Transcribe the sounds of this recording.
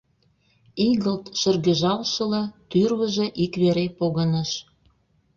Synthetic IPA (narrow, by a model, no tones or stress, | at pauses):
iɣəlt̪ʃə̆rɣə̆ʒɑlʃɤ̆lɑt̪yrβə̆ʒĕʔikβeɾepoɣənəʃ